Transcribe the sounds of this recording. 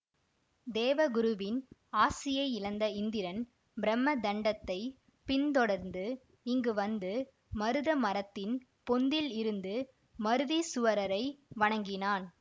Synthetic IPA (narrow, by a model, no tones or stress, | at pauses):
d̪eːʋɐɡʊɾɯʋɪnaːsɪjɐɪɪɭɐnd̪ɐɪnd̪ɪɾɐn | bɪɾɛmːɐd̪ɐɳɖɐt̪ːɐɪ | pɪnt̪ɔɽɐɾnd̪ɯ | ɪŋɡɯʋɐnd̪ɯ | mɐɾɯðɐmɐɾɐt̪ːɪn | pɔnd̪ɪlɪɾɯnd̪ɯ | mɐɾɯðisʊʋɐɾɐɾɐɪʋɐɳɐŋɡɪnaːn